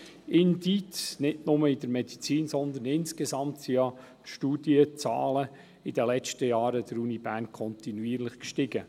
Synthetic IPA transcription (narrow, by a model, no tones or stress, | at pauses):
ʔɪnditsnɪtnʊməɪd̪əɾmɛd̥it͡siːnsɔnd̪ənɪnskezɑmtsijɑ | ʃtuːd̥iət͡sɑ̰ːlə | ɪdəlɛt͡ʃtəjɑːɾəd̥əɾuːnibæɾnkʰɔnt̪inuiːɾlɪχkʃtɪɡə